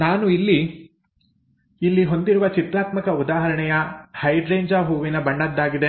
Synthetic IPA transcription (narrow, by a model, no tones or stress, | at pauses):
naːnuilːi | ilːiɦo̞nd̪iɾuʋɐt͡ʃit̪ɾaːt̪mɐkɐud̪aːɦɐɾɐɳɛjɐhɐjɖɾeːɲd͡ʒaːɦuːʋinɐbɐɳɖɐd̪ːaːɡid̪e̞